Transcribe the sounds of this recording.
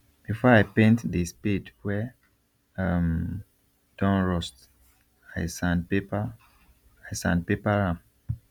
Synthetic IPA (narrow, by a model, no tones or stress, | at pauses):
b̥ifɔaɪpẽntdispidwɛ | am | d̥ɔ̃nɹɔst | aɪsãndpepa | aɪsã̰nd̚pepaɹãm